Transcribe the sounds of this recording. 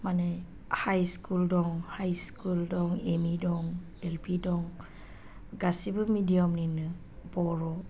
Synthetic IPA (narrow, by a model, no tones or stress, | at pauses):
manaj | hajskuldɔŋhajskuldɔŋemidɔŋ | elpʰidɔŋ | ɡasibɯmidiɔmninɯ | bɔɾɔ